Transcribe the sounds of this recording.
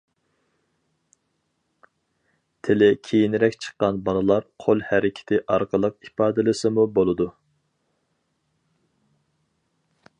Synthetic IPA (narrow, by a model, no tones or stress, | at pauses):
t̪ʰɪlɪkʲʰejinɪɾɛkʲt͡ʃʰə̥qːɑnbɑlˠɨlˠɑɾqʰolˠhæɾɪkʲʰɪ̥t̪ʰɪʔɑɾqʰəlˠəqipɑːd̪ɨlˠɨsɨmubolˠɨd̪u